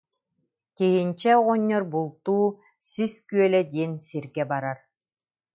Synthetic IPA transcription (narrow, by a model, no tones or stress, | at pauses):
t̪iɦinʲt͡ɕɛɔʁɔɲːɔɾbulˠt̪uː | siskyœlɛd̪iɛnsiɾɡɛbaɾaɾ